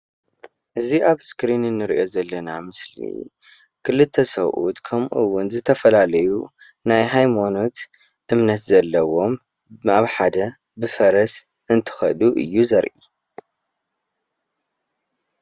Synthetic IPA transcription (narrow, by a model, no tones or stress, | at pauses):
ʔɨziʔaβskɾinɨnːɨɾiʔo̞zɐlːɐnamɨslḭ | kʰɨlɨt̪ʰːɐsɐwʔṵt̪kʰɐmʔuwːʊnzɨt̪ʰɐfɐlalɐju | najɦajmono̞t̪ | ʔɨmnɐt̪zɐlːɐwo̞m | aβħad̪ɐ | bɨfɐɾɐs | ʔɨnt̪ʰɨ̥xɐ̰luʔɨ̰jːuzɐɾʔḭ